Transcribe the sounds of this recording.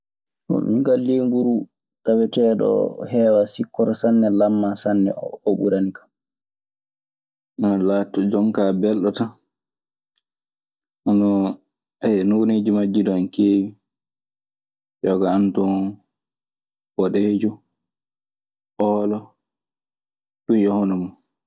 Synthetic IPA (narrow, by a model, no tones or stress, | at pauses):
tɔ̰miŋɡalːiŋɡuɾu | tawɛtɛːɗɔ̰hɛːwasikːɔɾɔsanːɛlamːasanːɛ̰oɓṵɾanikḁm | nalaːtːɔd͡ʒɔŋkabɛlɗɔta | ʔanɔ | ɛnuwned͡ʒimad͡ʒːidɔankeːwi | jɔɡaantɔ | bɔɗɛd͡ʒɔ | ʔɔːlɔ | ɗunjɔhɔnumu